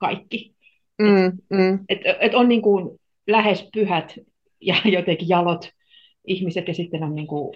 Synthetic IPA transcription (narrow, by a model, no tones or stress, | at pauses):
kɑ̰ikːi | m̩ːm̩ːet̪et̪onniːŋkun | læhespyhæt̪ | jɑjot̪ekijɑlot̪ | ihmiset̪jɑsit̪ːenonniːŋku